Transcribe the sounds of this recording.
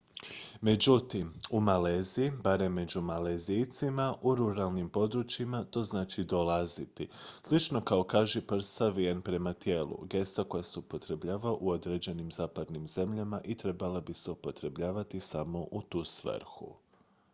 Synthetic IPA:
me̞d͡ʑut̪imumaleːziibaɾe̞mːe̞d͡ʑumalezijt̪simaʔuɾuɾalˠnimpo̞d̪ɾut͡ʃimat̪o̞ːznaːt͡ʃid̪o̞lˠazit̪islˠit͡ʃno̞kaokaːʒɛpr̩ɾ̩st̪aʋienpɾe̞mat̪je̞ːlˠṵɡe̞st̪ako̞jaseupo̞t̪ɾe̞bʎaːʋaʔuo̞d̪ɾe̞d͡ʑe̞nimzaːpad̪nimze̞mʎamaʔit̪ɾe̞balabiseupo̞t̪ɾe̞bʎaːʋat̪isamo̞ʔut̪uːsʋə̰ɾxṵ

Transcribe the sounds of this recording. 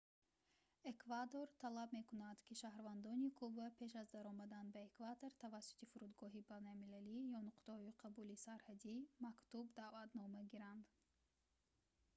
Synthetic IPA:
ekvad̪o̞ɾt̪ʰalabme̞kunad̪̥kʰiʃahɾvand̪ɔnikʰubapʰe̞ʃ̬azd̪aɾɔmad̪anbaekvat̪oɾt̪ʰavasːu̥t̪ifuɾud̪ɡɔɦibanalmilalijɔnuqt̪ahɔiqʰabulisaɾhad̪imakt̪ubd̪avat̪nɔmaɡiɾand̪

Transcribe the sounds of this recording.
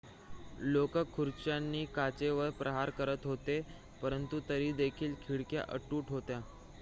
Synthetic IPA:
lokəkʰːuɾt͡ɕjanːiːkat͡ɕeʋəɾpɾʔəɦaɾkəɾət̪ɦot̪e | pəɾənt̪ut̪əɾiːd̪ekʰiːlkʰiɽkja̰ʔəʈuːʈɦot̪ja

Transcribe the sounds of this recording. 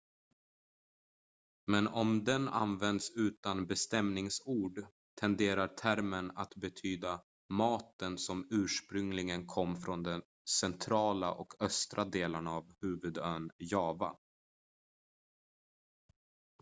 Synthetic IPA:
mɛnɔmd̪ɛna̰nvɛnd̪sʉ̟ːt̪anbɛst̪ɛmnɪŋsuːɖ | t̪ʰɛnd̪eːɾaʈʰæɾmənat̪bɛt̪ʰyːd̪a | mɑːt̪ənsɔmʉ̟ːʂpɾɵŋlɪɡənkʰɔmːfɾɔnd̪ɛn | sɛnt̪ʰɾɑːla̰ʔɔkʰœst̪ɾʔad̪eːlənavhʉ̟ːvɵd̪ønjɑːva̰

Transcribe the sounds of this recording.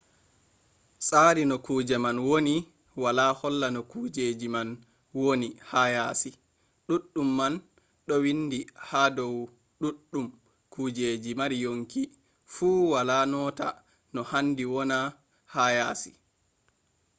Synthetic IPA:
saːɾinɔkuːd͡ʒɛmanwoni | walahɔlːanɔkuːd͡ʒed͡ʒiman | wonihajaːsi | ɗuɗːumːan | ɗɔwindihadɔw | ɗuɗːum | kud͡ʒeːd͡ʒimaɾijoŋki | fuːwalaːnɔːta̰ | nɔhandiwɔna | hajaːsi̥

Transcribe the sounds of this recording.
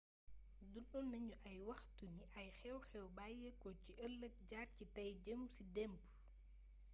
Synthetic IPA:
dunɗɔnːɐɲuʔɐjwɐxtuniʔɐjxɛwxɛwbajekɔciʔɐlːɐk̚ɟaːrcitɐjɟəmsidɛmp

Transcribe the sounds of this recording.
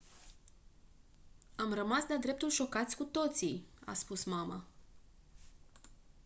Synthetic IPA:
amrəmasd̪ad̪ɾe̞p̚t̪ulʃo̞kat̪sʲkut̪o̞t̪sija̰spusmama̰

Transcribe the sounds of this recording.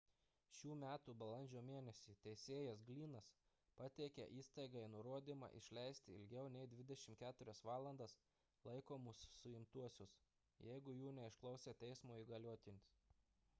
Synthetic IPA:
ʃʲuːmʲæːt̪uːbɐlˠɐnʲd͡ʒʲoːmʲeːnʲɛsʲiːt̪ʲɛɪsʲeːjɛsɡlʲiːnɐs | pɐt̪ʲɛɪkʲɛ̰ʔiːst̪ɐɪɡɐɪnʊɾoɔd̪ʲiːmɑ̰ʔɪ̰ʃʲlʲɛɪsʲt̪ʲɪɪ̰lʲɡʲɛʊnʲɛɪd̪ʲʋʲɪd̪ʲɛʃʲɪmt̪kʲæːt̪ʊɾʲɛsʋɑːlˠɐnd̪ɐs | lˠɐɪkoːmʊsːʊɪmt̪uɔsʲʊs | jɛɪɡʊjuːnʲɛɪʃklˠɐʊsʲeːt̪ʲɛɪsmoːiːɡɐlʲoːt̪ʲɪnʲʊs

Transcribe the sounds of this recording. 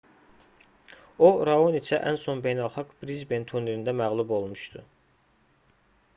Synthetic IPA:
oɾɑonit͡ʃʰæʔænsonbe̞jnælˠχɑɡb̥ɾizbent̪ʰuneɾind̪æmæɣlˠubo̞lˠmuʃt̪u

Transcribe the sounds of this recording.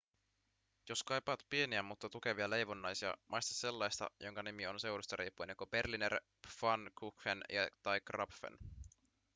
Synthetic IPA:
jo̞skɑjpɑːt̪pie̞niæmut̪ːɑt̪uke̞ʋiɑle̞jʋonːɑjsiɑ̰mʔɑjst̪ɑ̥sse̞lːɑjst̪ɑ̰jʔo̞ŋkɑnimio̞nse̞wɾust̪ɑɾiːpːuɑnekube̞rlineɾ | fɑnkʰukːenjɑ̰t̪ɑjkrɑpfḛn

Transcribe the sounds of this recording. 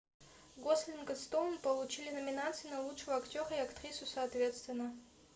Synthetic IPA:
ɡosʲlʲinɡəst̪onpəlˠut͡ɕilʲɪnɐmʲɪnat̪sɨjnɐlˠutʂɨvəɐktʲoɾəiɐkt̪rʲisʊsɐːt̪vʲe̞t̪st̪vʲɪnːə

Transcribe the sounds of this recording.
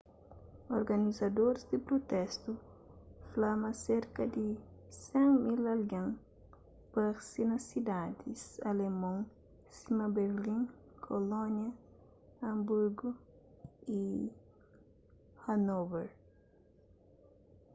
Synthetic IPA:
oɾɡɐnizɐd̪oɾzd̪ɪpɾot̪ɛst̪u | flamɐseɾkɐd̪isẽŋmilɐlɡãŋ | paɾsinɐsid̪ad̪isɐlemõŋ | simɐbeɾlĩŋ | kʰolõnjɐ | ɐ̃mbuɾɡo | i | hanobeɾ

